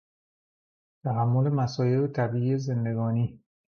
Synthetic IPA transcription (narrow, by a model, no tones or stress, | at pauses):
t̪ʰæɦæmːolemæsɒːjeɾet̪ʰæbiːieze̞nd̪e̞ɡɒːniː